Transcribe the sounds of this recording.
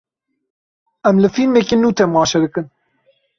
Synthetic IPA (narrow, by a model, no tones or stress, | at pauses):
ɛmlɨfilmekenuːt̪ʰɛmɑːʃɛd̪ɨkɨn